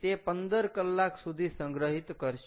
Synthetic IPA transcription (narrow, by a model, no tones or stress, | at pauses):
t̪epənd̪əɾkəlːakʰsud̪ʱisə̃ŋɡɾəɦit̪kəɾʃ